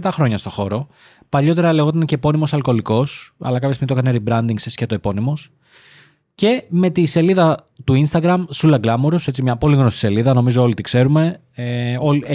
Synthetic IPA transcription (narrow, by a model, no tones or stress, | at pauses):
t̪ɐxɾo̞ɲɐst̪o̞xo̞ɾo̞ | pɐʎo̞t̪e̞ɾɐleɣo̞t̪ɐnce̞po̞nimo̞sɐlko̞liko̞sɐ̰lɐkɐpçesminit̪okɐneɾibɾɐnd̪iŋɡsescɐt̪oepo̞nimo̞s | ce̞me̞t̪ise̞liðɐ | t̪uinst̪ɐɡɾɐmsulɐɡlɐmuɾuse̞t͡simɲɐpo̞liɣno̞sise̞liðɐno̞mizoo̞lit̪ikse̞ɾume̞ | eo